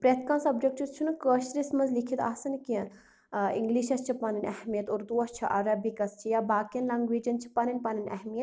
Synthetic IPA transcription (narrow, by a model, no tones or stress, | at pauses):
pɾet̪ʰkãnsɐb̚d͡ʒek̚t͡ʃʰit͡ʃʰunɨkəːʃɾismɐnzlikʰit̪a̰ːsɐnkiɐ̃ | ḭŋɡliːʃɐst͡ʃʰipɐnɐnʲʔɐhmijɐt̪oːɾd̪uːɐst͡ʃʰiʔɐɾɐbikɐst͡ʃʰijaːbaːkiɐnlɐŋɡʋiːd͡ʒɐnt͡ʃʰi̥pɐnɐnʲpɐnɐnʲɐ̰hmijɐt̪